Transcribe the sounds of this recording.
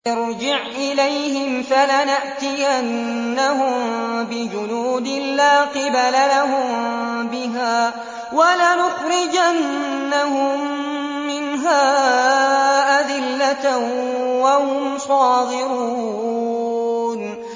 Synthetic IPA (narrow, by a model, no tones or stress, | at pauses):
ɑɾd͡ʒɪʕʔɪlajɦɪmfalanaʔt̪ɪjʔanːaɦʊmbɪd͡ʒʊnuːd̪ɪlaːqɪbalalaɦʊmbɪɦaː | walanʊxɾɪd͡ʒanːahʊmː | ɪnɦaː | ʔad̪ɪlːat̪ | wahʊmsˤɑːd̪ɪɾuː | n